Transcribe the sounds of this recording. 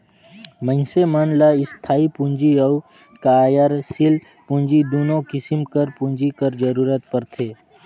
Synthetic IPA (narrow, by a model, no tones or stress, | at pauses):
mə̃nsemənlaɪst̪ʰaːipũnd͡ʒiɐu | kajəɾsɪl | pũɲd͡ʒid̪uːnõkɪsɪmkəɾpũɲd͡ʒikəɾd͡ʒəɾuːɾət̪̚pəɾt̪ʰeː